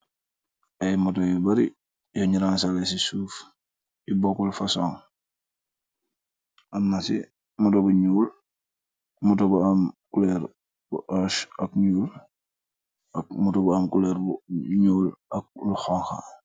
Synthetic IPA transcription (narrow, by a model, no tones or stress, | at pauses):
ajmotojibaɾi | joɲiɾansalesisuːf | jibokulfasoŋ | anːasi | mutobuɲuːl | mutobuamkuleɾ | buʔaʃakɲuːl | akmutobuamkuleːɾbuɲuːlak̚luxoŋxa̰